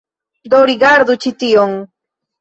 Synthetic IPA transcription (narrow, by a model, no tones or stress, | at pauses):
d̪oɾiɡaɾd̪ʊt͡ʃɪt̪ijoŋ